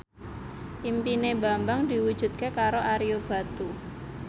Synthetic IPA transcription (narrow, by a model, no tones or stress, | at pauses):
ʔimpineba̤mbaŋdi̤wud̥ʒ̥ṳt̪̚kekaɾoʔaɾiob̥a̤t̪u